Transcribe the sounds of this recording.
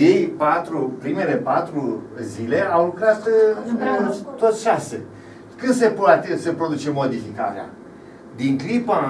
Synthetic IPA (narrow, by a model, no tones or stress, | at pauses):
je̞jpat̪ɾupɾime̞le̞pat̪ɾuzile̞awlukɾat̪ | t̪o̞t̪sʃasḛ | kɨnd̪s̬epuat̪esəpɾo̞d̪ut͡ʃe̞mːo̞d̪ifikaɾea̰ | d̪iŋkɾipa